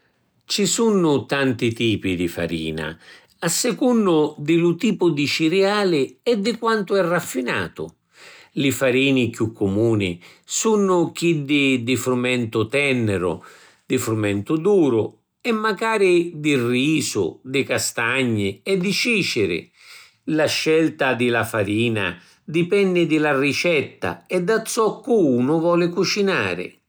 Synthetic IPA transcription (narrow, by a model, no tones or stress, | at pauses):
t͡ʃisunːʊt̪ant̪it̪iːpid̪ifa̰ɾḭːna̰ | asːɪkunːʊd̪ɪlʊt̪iːpʊd̪it͡ʃiɾiaːlɪɛd̪ːɪkwant̪ʊɛrːafːina̰ːt̪ʊ̰ | lɪfaɾiːnɪkjukʰːʊmuːnɪsunːʊk̟id̪ɪd̪ɪfɾumɛnt̪ʊt̪ɛnːɛɾʊ̰ | d̪̥ɪfɾumɛnt̪ʊd̪uːɾʊ | ɛmːaɡaːɾɪd̪ɪrːiːsʊ̰d̪ɪkast̪aɲːɪɛd̪ːit͡ʃiːt͡ʃɪɾɪ̰ | laʃːɛlt̪ad̪ɪlafaɾiːna̰ | d̪ipɛnːɪd̪ɪlarit͡ʃɛt̪ːa̰ɛd̪ːat̪sːɔkːuunʊvɔːlɪkut͡ʃina̰ːɾɪ̰